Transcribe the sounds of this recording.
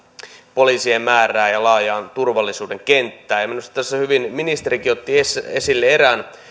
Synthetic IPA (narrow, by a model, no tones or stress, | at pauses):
poliːsiemmæːræːjɑlɑːjɑːnt̪urʋɑlːisuːdeŋkent̪ːæːjɑminust̪ɑt̪æsːæhyʋinminist̪eɾikiot̪ːiesesilːeeɾæːn